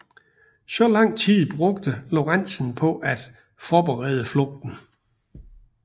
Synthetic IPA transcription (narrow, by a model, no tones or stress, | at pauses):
sɒ̽lɑ̈ŋ̰t͡sʰið̰ˠb̥ʁɔ̽ɡ̥d̥əlo̝ʁan̰sn̩pʰɒ̽ʔæd̥ | fɒːb̥eʁɛ̰ːð̞ˠəflɔ̽ɡ̥̚d̥n̩